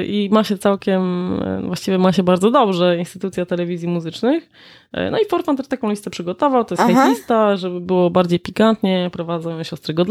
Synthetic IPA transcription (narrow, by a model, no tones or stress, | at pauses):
ʔimaɕɛt̪sawkʲɛm̰vwaɕt͡ɕivʲjɛmaɕɛbaɾd̪zɔd̪ɔbʐɛinst̪ɘt̪ut̪sʲjat̪ɛlɛvʲizʲjimuzɘt͡ʂnɘx | nɔ̰ifɔɾt̪fant̪ɛɾt̪akɔ̃w̃lʲist̪ɛpʂɘɡɔt̪ɔvawt̪ɔjɛsxaj̪ist̪aʐɛbɘbɘwɔbaɾd͡ʑejpʲikant̪ɲɛpɾɔvad̪zawjɛ̃ɕɔst̪ɾɛɡɔd̪l